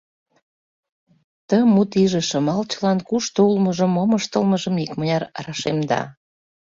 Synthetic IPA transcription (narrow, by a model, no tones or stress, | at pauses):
t̪əmut̪iʒĕʃə̆mɑlt͡ɕəlɑnkuʃt̪oulməʒəmoməʃt̪əlməʒəmikməjɑrrɑʃemd̪ɑ̰